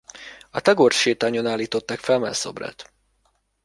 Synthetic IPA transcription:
ɒt̪ɛɡorʃeːt̪aːɲonaːlːiːt̪o̞t̪ːaːkfɛlmɛ̰so̰brɛ̰t̪

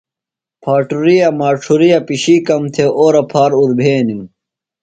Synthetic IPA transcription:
pʰaːʈuɾijɐmaːʈ͡ʂʰuɾijɐpiɕiːkɐmt̪ʰeʔoːɾɐpʰaːɾuɾbʱeːnim

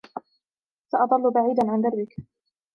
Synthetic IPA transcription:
saʔɑðˤɑlːʊbaʕiːd̪anʕand̪ɑɾˤbɪk

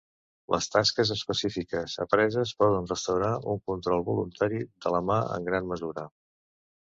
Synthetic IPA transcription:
lʔə̰st̪askəzəspəsifikəzə̰pɾɛzəspɔð̞ənrəst̪əwɾauŋkunt̪ɾɔlˠβulunt̪aɾiðələmaə̰ŋɡɾanməzuɾə

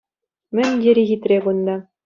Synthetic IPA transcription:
mɘ̆nʲd̪ʲeɾʲiɣʲit̪ɾʲeɡund̪ɑ

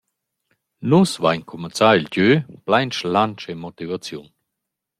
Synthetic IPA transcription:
nusvajɲkʰumat͡sailɟøːplajnʃlant͡ʃemɔt̪ivat͡sjṵn

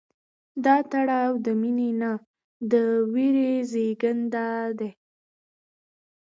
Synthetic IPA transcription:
d̪ɑt̪aɽɑwd̪əminena | d̪əwiɾezeɡənd̪ad̪e

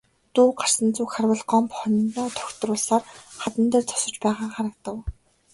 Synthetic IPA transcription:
t̪uːɢar̥sə̆nt͡suːkχarwə̆ɮɢɔmpχɔnnt̪ɔːt̪ʰɔ̥xt̪rʊːɮsaːrχat̪ə̆nt̪eːrt͡sʰɔ̥sɞ̆t͡ɕpæːʁaːχaɾə̆k̚t̪ə̆w

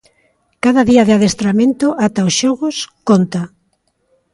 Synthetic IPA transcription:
kaðɐðiɐðɪaðest̪ɾamẽnt̪ʊʔat̪aosʃɔɣʊskont̪a

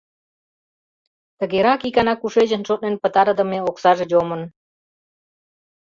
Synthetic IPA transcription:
t̪əɡeɾakikanakuʂed͡ʑənʈ͡ʂʰot̪̚nenʲpət̪aɾəd̪əmeoksaʐed͡ʑomən

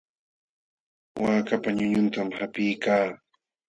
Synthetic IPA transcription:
waːkapaɲʊɲʊnt̪amhapɪjkaː

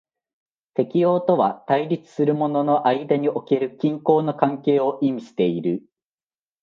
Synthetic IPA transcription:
t̪e̞kʲio̞ːt̪o̞βat̪aiɾʲit͡sɨ̥sɨɾɯ̟mo̞no̞no̞ʔaid̪aɲ̟iʔo̞ke̞ɾɯ̟kʲĩŋko̞ːno̞kãŋke̞ːo̞ʔimʲiɕi̥t̪e̞iɾɯ̟

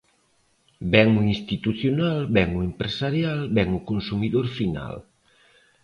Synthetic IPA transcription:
bɛŋuinst̪it̪uθjonalbɛŋuempɾesaɾjalbɛŋukonsumiðoɾfina̰l

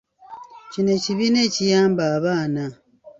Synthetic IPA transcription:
cine̞ciβine̞cijaːmbaːβaːna

